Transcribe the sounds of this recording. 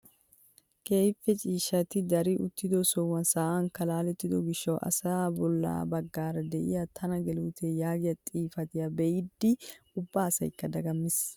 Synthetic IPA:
keːjfːɛt͡ʃʼiːʃɐt̪ɪd̪ɐɾɪʔʊ̰t̪ːɪd̪ɔsɔwɐnsaːʔɐŋkːɐlaːlɛt̪ːɪd̪ɔɡɪʃːɐwʔɐ̰saːbɔlːa̰ːbɐɡːaːɾɐd̪ɛʔɪ̰jat̪ʰɐnɐɡɛluːt̪ʰejaːɡɪjɐt̪ʼiːfɐt̪ɪjabɛjɪd̪ːɪʊbːaːsɐ̰jkːɐd̪ɐɡɐmːɪs

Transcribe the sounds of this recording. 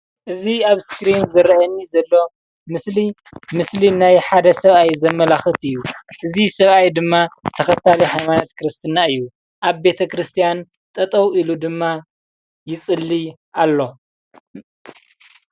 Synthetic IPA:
ʔɨziaβskɾinzɨɾɐɐnːizɐlːo̞ | mɨsli | mɨslinajħad̪ɐsɐβajzɐmːɐlaxɨt̪ɨjːuʔɨzisɐβajd̪ɨmːat̪ʰɐxɐt̪ʰalihajmanat̪kʰɨɾɨst̪ʰɨnaɨjːu | ʔaβbe̞t̪ʰɐkɾɨst̪ʰijan | t̪ʼɐt̪ʼɐwilud̪ɨmːa | jɪt͡sʼɨlːi | ʔalːo̞

